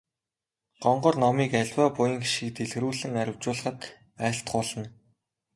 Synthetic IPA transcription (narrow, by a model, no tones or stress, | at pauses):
ɢ̥ɔɴɢɞ̆rnɔmiːkæɮʲwaːpʊjə̆ŋɡiʃɘ̆k̚t̪eɮɣruːɮɘ̆ŋæɾʲɪ̆w̥t͡ɕʊːɮə̆χə̆t̪ | æːɬt̪χʊːɮə̆n